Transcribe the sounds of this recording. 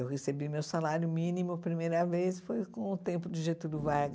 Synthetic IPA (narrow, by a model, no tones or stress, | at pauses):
ewhesebimewsalaɾjʊmĩnimʊpɾimejɾɐvejsfojkõʊt̪ẽmpʊd͡ʒɪʒet̪ud̪ʊvaɡ